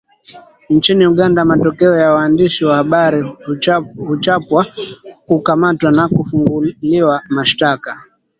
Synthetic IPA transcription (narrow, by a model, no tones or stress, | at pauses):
nt͡ʃiniuɠandamatɔkɛɔjawaːndiʃiwahaɓaɾi | hut͡ʃapwakukamatwanakufuŋɡuliwamaʃtaka